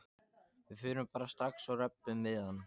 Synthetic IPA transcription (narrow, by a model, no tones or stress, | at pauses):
vɪfʏːɾʏmpaːɾast̪ɾaksawrɛpːʏmvɪːðanː